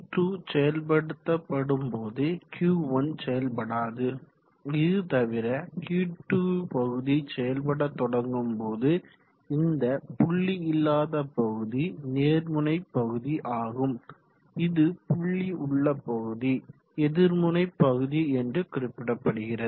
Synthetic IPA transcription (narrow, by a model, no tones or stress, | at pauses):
ʈuːsɛjɐlp̬ɐɽɯt̪ːɐpːɐɽɯmpoːðɯkjuːʋɐnsɛjɐlpɐɽaːðɯ | ɪðɯt̪ɐʋɪɾɐkjuːʈːuːpɐɣɯðisɛjɐlpɐɽɐt̪ːɔɽɐŋɡɯmpoːðɯ | ɪnd̪ɐpʊɭːiɪlːaːðɐpɐɣɯðineːɾmɯnɐɪpːɐɣɯðiʔaːɣɯm | ɪðɯpʊɭːiʊɭːɐpːɐɣɯði | ɛðɪɾmɯnɐɪpːɐɣɯðiɛndrɯkɪɾɪpːɪɽɐpːɐɽɯɣɪrɐðɯ